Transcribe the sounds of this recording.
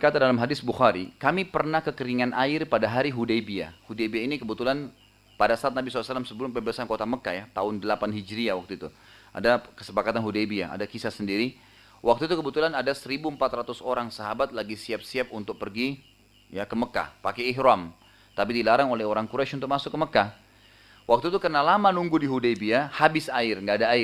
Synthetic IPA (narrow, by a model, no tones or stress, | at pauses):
kat̪adalamɦadɪsbuxaɾikamipərnahkəkəɾiŋanʔaɪrpadaɦaɾiɦudejbia̰hudejbiainikəbət̪ulan | padasaat̪̚nabisɔalːsəlːamsəbəlʊmpəbəəsankot̪aməkajat̪aʊndəlapanɦid͡ʒɾiawak̚t̪uit̪u | a̰dakəsəpakat̪anɦudejbia̰a̰dakisasəndiɾi | wʔak̚t̪uit̪ukəbut̪ulanadasəɾibuəmpat̪rat̪ʊsoɾaŋsaɦabat̪̚laɡisiap̚siap̚unt̪ʊk̚pərɡi | jakəməka̰pakɛːɦɾɔm | t̪apidilaɾaŋolɛɦoɾaŋkuɾat͡ʃunt̪ʊk̚masʊkːəməka | wʔak̚t̪ut̪ukərnalamanuŋɡudiɦudejbiahabɪsaɪrŋɡaːdaːɪr